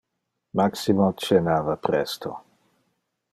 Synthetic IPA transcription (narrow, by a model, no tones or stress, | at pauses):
maksimot͡ʃenaːvapɾɛst̪o